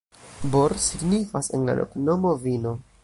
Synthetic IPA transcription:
boɾsiɡnifase̞̰nla̰lʔo̰knomo̞vino̞

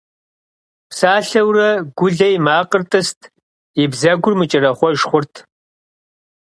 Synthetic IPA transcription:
psaːɬɐwrɐɡʷʊɮɐjmaːqʼərtʼɨstʰ | ɪbzɐɡʷʊrmɨt͡ʃʼɪrɐχʷɔʒχʷʊrtʰ

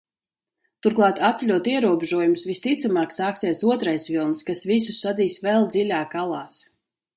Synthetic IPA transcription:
t̪uɾklˠɑːt̪at̪sɛlʲuɔt̪iɛɾuɔbʲeʒuɔjumusvist̪it̪samaːksaːksiɛsuɔt̪ɾajsvʲilˠnskasvisusːad̪ziːsvɛlˠd̪zilʲaːkalˠaːs

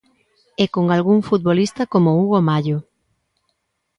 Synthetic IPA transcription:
ɛkoŋalɣuŋfut̪̚βolist̪ɐkomouɣomaʎo

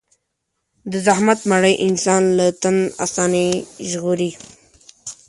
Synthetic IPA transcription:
d̪əzahmat̪maɽəjʔɪnsɑːnlat̪ana̰sɑːniʒɣuɾi

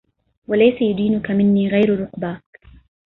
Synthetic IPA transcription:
walajsajʊd̪iːnʊkamɪnːiːɣajɾɾʊqbaː

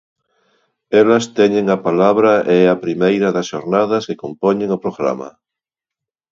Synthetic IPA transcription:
ɛlɐst̪ɛɲẽŋɐpalaβɾɐʔɛɛɐpɾimejɾɐðɐsʃo̰ɾnað̞ɐsekompoɲẽŋopɾoɣɾa̰mɐ̰

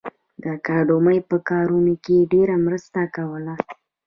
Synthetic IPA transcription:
d̪əkɑɖoməjpəkɑɾunokeɖeɾamɾəst̪akawəla

